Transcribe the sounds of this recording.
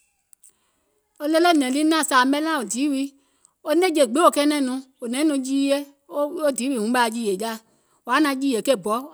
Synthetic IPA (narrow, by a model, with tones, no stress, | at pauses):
o˧le˧lɛ˦˨nɛ̃˨li˦nã˦˨saː˨˦mɛ̃˧˦lã˦˨o˨di˨˦wi˨˦ | o˧n˦e˦d͡ʒe˨ɡ͡be˨˦o˨kɛ˧˦nɛ̃˧˨nũ˧˦o˨nɛ̃˨˦nũ˧d͡ʒiː˦e˦ | o˦o˦diː˨˦wi˨˦hũ˨˦ɓa˧˨d͡ʒiː˧˨e˨˦d͡ʒa˦˨ | wa˨˦nã˧˦d͡ʒiː˦je˨ke˦˨bɔ˨˦